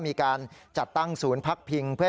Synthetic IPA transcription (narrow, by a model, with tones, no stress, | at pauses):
miː˧kaː˧nt͡ɕa˨˩t̪ːa˥˩ŋsuː˩˦˥npʰa˦˥k̚pʰi˧ŋpʰɯ˥˩